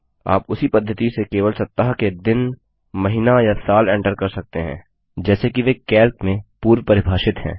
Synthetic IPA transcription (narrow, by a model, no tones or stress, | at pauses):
a̰ːpʊsipɐd̪ʱːət̪isekeːʋəlsɐtt̪ːəɦaked̪ɪn | mɐɦɪnajasaːlɛ̃ːɳʈəɾkɐɾsɐk̚t̪eɦɛ̰̃ː | d͡ʒɛːsekiʋekɛːlkmẽpuːɾʋpɐɾɪbʱaːʃɪt̪ɦɛ̰̃ː